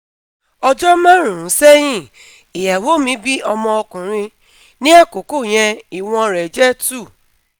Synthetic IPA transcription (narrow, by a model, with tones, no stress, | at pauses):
ɔ˧d͡ʒɔ˦mã˦ɾ̃ũ˨ɾũ˨˦sɛ˦j̃ĩ˦˨ | i˨ja˨wo˨˦mĩ˨˦bi˦ɔ˧mɔ̃˧ɔ˧kũ˨ɾ̃ĩ˧ | nĩ˦ɛ˦˨ko˨˦ko˦˨j̃ɛ̃˧i˨w̃ɔ̃˧ɾɛ˨d͡ʒɛ˦tu˦˨